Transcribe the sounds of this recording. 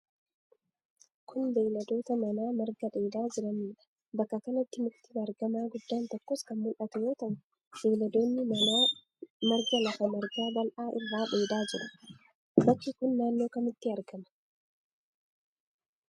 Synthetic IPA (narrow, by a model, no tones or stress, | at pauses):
kʰʊnb̪eːlɐd̪o̞ːt̪ɐmɐnaːmɐɾɡɐᶑe̞ːd̪aːd͡ʒɪɾɐnᶑɐ̥ | bɐkːɐkɐnɐɪt̪ːɪmʊt̪ːɪɐɾɡɐmaːɡʊd̪ːaːnt̪ɔkːoːskɐmmʊlʔɐt̪ʊjo̞ːt̪ɐʔʊ | b̥eːlɐd̪o̞ːnːɪɐa | mɐɾɡɐlɐfɐmɐɾɡaːbɐlʔaːʔɪrːaːᶑe̞ːd̪aːd͡ʒɪɾɐ | bɐt͡ʃːɪkʊnːaːnːo̞ːkɐmɪt̪ːɪɐɾɡɐmɐ̥